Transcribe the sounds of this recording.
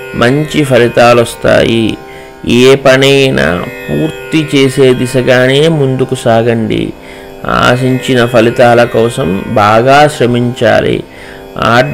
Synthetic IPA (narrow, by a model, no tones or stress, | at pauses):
mʔɐɲt͡ʃipʰɐlit̪aːlɔst̪a̰ːji | eːpɐnɐjna̰puːɾt̪it͡ʃe̞ːseːd̪isɐɡaːneːmund̪ukusaːɡɐɳɖḭ | a̰ːs̬iɲt͡ʃinɐpʰɐlit̪aːlɐkɔːsɐmbaːɡaːʃɾɐmiɲt͡ʃa̰ːlḭ | aː